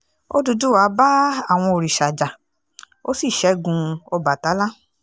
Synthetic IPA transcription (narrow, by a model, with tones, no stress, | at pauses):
o˦du˧du˦wa˨˦ba˦a˦˨w̃ɔ̃˧o˨ɾi˨ʃa˨d͡ʒa˨ | o˦si˦˨ʃɛ˨˦ɡũ˧ɔ˧ba˨ta˨˦la˦